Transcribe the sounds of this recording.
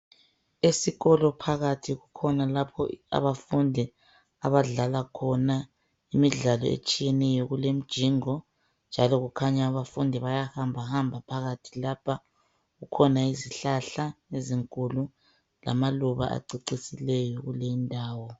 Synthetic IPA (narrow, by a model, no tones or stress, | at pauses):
esiɣɔlɔpʰaɣatʰiɣukʰɔnalapʰɔ̰a̰βafundʱi | a̰βaɮalakʰɔna | imiɮalɔ̰ḛt͡ʃʼijɛnɛjɔɣulem̩d̥ʒ̥ʱiːŋɔ | nd͡ʒʱalɔɣukʰaɲaːβafundʱiβajahambʱahambʱapʰaɣatʰilapʰa | ɣukʰɔnaiziɬaɬaeziŋkʼulu | la̰maluβa̰ʔa̰ǀiǀisilɛjɔɣulejindʱaːwɔ